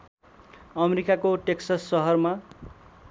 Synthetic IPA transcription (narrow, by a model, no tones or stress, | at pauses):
ʌmeɾikakoʈeksasːʌɦʌrma